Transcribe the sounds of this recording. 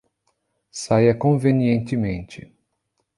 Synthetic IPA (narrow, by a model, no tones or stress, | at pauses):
sajɐkõveniẽnt̪ɪmẽnt͡ʃɪ